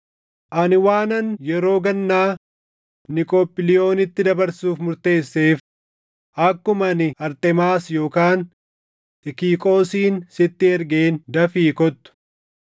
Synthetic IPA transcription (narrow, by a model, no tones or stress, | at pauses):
ʔɐnɪwaːnɐnjɛɾo̞ːɡɐnːaː | nɪkʼoːpːɪlɪjo̞ːnɪt̪ːɪd̪ɐbɐɾsuːfmʊɾt̪e̞ːsːe̞ːf | ʔɐkːʊmɐnɪɐɾt̪ɛmaːsjo̞ːkaːn | ɪkiːkʼo̞ːsiːnsɪt̪ːɪɛɾɡeːnd̪ɐfiːkɔt̪ːʊ̥